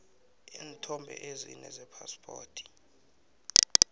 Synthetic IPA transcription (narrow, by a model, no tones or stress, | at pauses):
entʰɔmbʱɛ̰ʔezinɛzɛpʰaspʰʼoːtʰi̥